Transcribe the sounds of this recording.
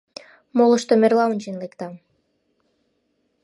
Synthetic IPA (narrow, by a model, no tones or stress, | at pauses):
molə̆ʃt̪omerlɑunʲt͡ɕenlekt̪ɑ